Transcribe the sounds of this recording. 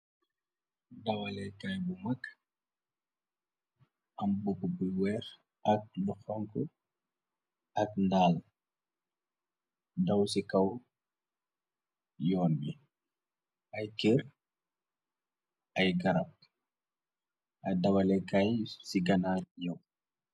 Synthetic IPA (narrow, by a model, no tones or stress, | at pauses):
dawalɛkajbumakː | ʔambukːubuwɛɾ | ʔak̚luxɔŋku | akndaːl | dawsikaw | jɔːmbi | ʔajkiɾ | ajɡaɾap̚ | ʔadawalɛkajsiɡanaɾjɔw